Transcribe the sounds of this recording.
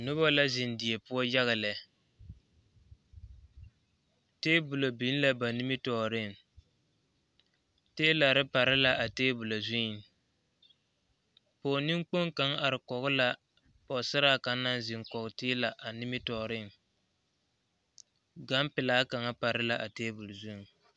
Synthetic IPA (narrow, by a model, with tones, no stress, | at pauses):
nʊ˦ba˦la˦zɪ˨ndɪ˨e˨pʊ˦ɔ˦ja˦ɣa˨lɛ˨ | teː˦bʊ˨lo˨bi˨˦n˦la˦ba˨ni˦mɪ˦tɔː˨ɾɪ˦˨ | teː˦la˨ɾɪ˦pa˨ɾɪ˦la˨ʔa˨teː˦bʊ˨lo˨zʊ˦ɪ˨n | pɔː˨ni˦ŋk͡po˦ŋka˨˦ŋa˨ɾɪ˨kɔ˨ɣʊ˦la˨ | pɔ˨sɪ˦ɾa˦˨ka˨nːa˦n˦zɪ˨ŋkɔ˨ɣtɪː˦la˨ʔa˨nɪ˦mɪ˦tɔː˨ɾɪ˦˨ŋ | ɡa˦mpɪ˨laː˨˦ka˨ŋa˦pa˨ɾɪ˦la˨ʔa˨teː˦bu˨lzu˦˨ŋ